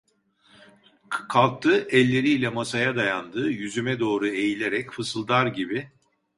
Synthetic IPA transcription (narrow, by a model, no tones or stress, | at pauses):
kʰalˠk̚t̪ʰɯːʔɛlʲːe̞ɾiːlʲɛmasajad̪ajand̪ɯːjyzymɛd̪o̞ːɾue̞jilʲeɾɛcfɯsɯlˠd̪aɾɟibɪ